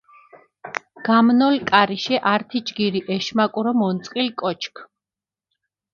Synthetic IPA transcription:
ɡ̥amnɔlkʼaɾiʃɛʔaɾt̪ʰid͡ʒɡiɾiʔɛʃmakʼuɾɔmɔnt̪sʼqʼilkʼɔt͡ʃʰkʰ

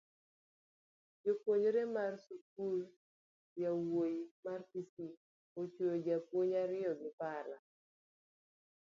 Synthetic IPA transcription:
d͡ʒopwoɲoɾemarsuk̚ul | jawojimarkisi | ot͡ʃojod͡ʒapwoɲaɾɪɔɡɪpala

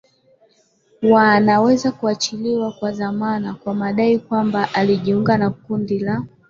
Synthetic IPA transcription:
wanawɛzakuat͡ʃiliwakwaðamanakwamaɗaikwambaʔaliʄiuŋɡanakundila

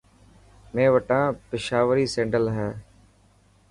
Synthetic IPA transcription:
mẽːʋəʈãːpɪʃaːʋəɾiːsẽːɳɖəlɦɛː

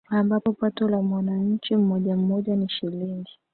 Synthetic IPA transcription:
ambapɔpatɔlamwanaɲ̩t͡ʃim̩ɔʄam̩mɔʄaniʃiliŋɡi

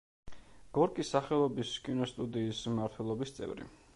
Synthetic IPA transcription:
ɡ̥ɔɾkʼisːaχɛlˠɔbiskʼinɔst̪ʼud̪iːsmaɾt̪ʰwɛlˠɔbist̪sʼɛ̰vɾḭ

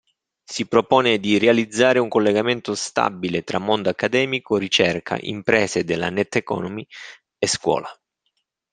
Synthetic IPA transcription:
sipɾopɔːned̪irealid̪zːaːɾeuŋkolːeɡament̪ost̪a̰bːilet̪ɾamːond̪oakːad̪ɛːmikoɾit͡ʃɛrkʰa̰ʔḭmpɾɛːsed̪elːa̰nɛt̪ːekɔ̰ːnomi | eskwɔ̰ːla

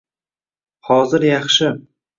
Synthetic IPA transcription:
hɒzɪɾjɑχʃɪ

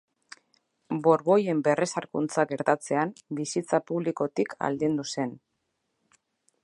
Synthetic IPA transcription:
bo̞ɾβo̞je̞mbe̞re̞saɾkunt͡saɡe̞ɾt̪at͡se̞ambisit͡sapuβliko̞t̪ikʰa̰ld̪ind̪use̞n

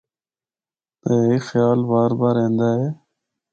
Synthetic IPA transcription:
t̪əːɦiːxjaːlbaːɾbaːɾẽːnd̪aːɦeː

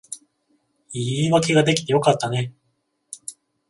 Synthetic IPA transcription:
iːiβake̞ɡad̪e̞kʲi̥t̪e̞jo̞kat̪ːane̞

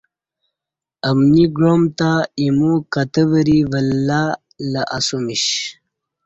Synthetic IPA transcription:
ɐmniɡɻomt̪aimukɐt̪əvəɾivəlːa | laʔasumiɕ

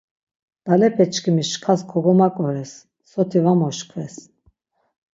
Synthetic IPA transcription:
d̪̥alɛpʰʼɛt͡ʃkʰimiʃkʰaskʰɔɡɔmakʼɔɾɛsː | ɔt̪ʰivamɔʃkʰvɛs

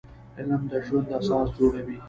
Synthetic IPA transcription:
ɪləmd̪əʒwand̪asɑːsd͡ʒoɽawi

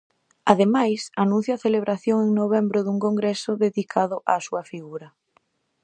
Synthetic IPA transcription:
aðemajsanũn̟θjʊaθeleβ̞ɾaθjoŋeŋnoβ̞ɛmbɾʊðuŋkoŋɡɾesʊðeðikʰaðʊʔa̰ːsuɐfiɣuɾɐ

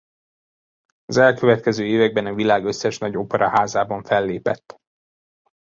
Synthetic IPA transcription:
ɒzɛlkø̞vɛt̪kɛzøːeːvɛɡ̚bɛnɒvilaːɡø̞sːɛʃnɒɟo̞pɛɾʔɒhaːzaːbɒɱfɛlːeːpɛ̰t̪ː

